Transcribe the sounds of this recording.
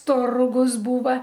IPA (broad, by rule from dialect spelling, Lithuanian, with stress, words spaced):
ˈtʊrɡʊs ˈbuːʋɐ